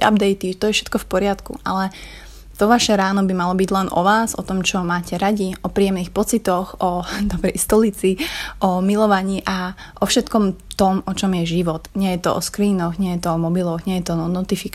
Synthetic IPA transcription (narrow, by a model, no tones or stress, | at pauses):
a̰bd̪ɛjt̪it̪ɔjɛfʃɛ̥t̪̚kɔfpɔɾɪat̪kṵʔa̰lɛ | t̪ɔʋaʃɛɾaːnɔbimalɔbiɟlɛnʔɔ̰ʋaːzɔ̰t̪ɔmt͡ʃɔmaːcɛɾaɟiʔɔpɾiːjɛmniːxpɔt͡sit̪ɔxɔd̪ɔbɾɛjst̪ɔlit͡siʔɔmilɔʋaɲiːʔaʔɔfʃɛt̪kɔmt̪ɔmɔt͡ʃɔmjɛʒiʋɔt̪ɲɪɛjɛt̪ɔʔɔ̰skɾiːnɔɣɲɪɛjɛt̪ɔɔmɔbilɔɣɲɪɛjɛt̪ɔnɔnɔt̪ifik